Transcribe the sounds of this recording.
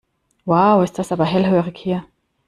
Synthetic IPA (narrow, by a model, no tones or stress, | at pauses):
waʊɪstd̥asʔaːbɐɦɛlɦøːʁɪkhiːɐ